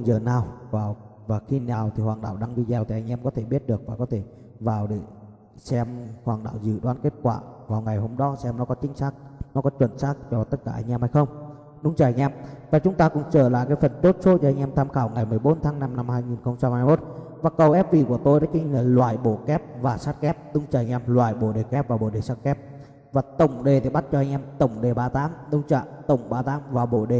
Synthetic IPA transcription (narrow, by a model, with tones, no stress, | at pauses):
zəː˨˩naː˨˩wvaː˨˩wvaː˨˩xi˧naː˨˩wt̪ʰi˨˩hwaː˨˩ŋɗa̰ː˧˨˩wɗa˧ŋɗi˧zɛ˨˩wt̪i˨˩ʔa˧jŋ̟ʔɛ˧mkɔ˨˦t̪ʰe˧˩ɓi˦˥ət̚ɗɨ˨˩ək̚vaː˨˩kɔ˨˦t̪ʰe˧˩ | vaː˨˩wɗe˧˩ | sɛ˧mhwaː˨˩ŋɗa̰ː˧˩wzɨ̰˧˨ɗwaː˨˦nke˦˥t̚kwa̰ː˧˩vaː˨˩wŋa˨˩jho˧mɗɔ˨˦sɛ˧mnɔ˨˦kɔ˨˦t͡ɕï˨˦ŋ̟saː˦˥k̚nɔ˨˦kɔ˨˦t͡ɕwə˧˩˨nsaː˦˥k̚zɔ˧˩t̪ə˦˥t̚kaː˧˩ʔa˧jŋ̟ʔɛ˧mha˧jxə˧wŋ͡m | ɗʊ̰˨˧˦ŋ͡mt͡ɕəː˧˩a˧˩ŋ̟ʔɛ˧mvaː˨˩t͡ɕʊ˨˦ŋ͡mt̪aː˧kʊ̰˧˥ŋ͡mt͡ɕəː˧˩la̰ː˧˨jkaː˨˦jfə˨˩nt̪o˦˥t̚so˨˦˥t͡ɕɔ˧ʔa˧jŋ̟ʔɛ˧mt̪ʰaː˧mxaː˧˩wŋa˨˩jmɨ˨˩əjɓo˨˦nt̪ʰaː˨˦ŋna˧mna˧mhaː˧jŋi˨˩nxə˧wŋ͡mt͡ɕa˧mhaː˧jmo˦˥t̚ | vaː˨˩kə˨˩wʔɛ˦˥p̚vi˨˩ku˧˩ət̪o˧jɗaː˨˦ki˨˧˦ŋ̟laː˨˩lwa̰ː˧˨jɓo̰˧˩kɛ˦˥p̚vaː˨˩saː˦˥t̚kɛ˦˥p̚ɗʊ˧˦ŋ͡mt͡ɕəː˧˩˨ɲ̟ʔɛ˧mlwa̰ː˧˨jɓo̰˧˩ɗe˨˩kɛ˦˥p̚vaː˨˩ɓo̰˧˩ɗe˨˩sa˦˥t̚kɛ˦˥p̚ | vaː˨˩t̪ə˧˩wŋ͡mɗe˨˩t̪ʰi˨˩ɓa˦˥t̚t͡ɕɔ˧ʔa˧jŋ̟ʔɛ˧mt̪ə˨˩wŋ͡mɗe˨˩ɓaː˧t̪aː˨˦mɗʊ˧wŋ͡mt͡ɕa̰ː˧˨t̪ə˨˧˩wŋ͡mɓaː˧t̪aː˨˦mvaː˨˩ɓo̰˧˨ɗe˨˩